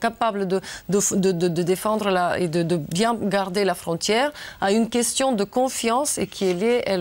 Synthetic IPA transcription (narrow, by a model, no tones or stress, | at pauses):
kapabləd̪əd̪əfd̪əd̪əd̪əd̪efɑ̃d̪ʁəlaḛd̪əd̪əbjɛ̃ɡaʁd̪elafχɔ̃t̪jɛʁaynkʲɛst̪jɔ̃d̪əkɔ̃fjɑ̃sekʲʰielɛʔɛl